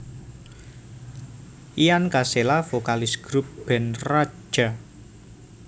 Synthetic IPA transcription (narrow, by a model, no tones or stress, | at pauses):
ijankaselafokalɪsɡ̥ɾup̚b̥ɛnrḁd͡ʒ̥a